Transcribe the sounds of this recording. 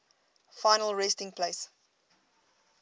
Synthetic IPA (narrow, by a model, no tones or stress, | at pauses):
faɪnəlˠɹɛstɪ̃ŋpʰleɪs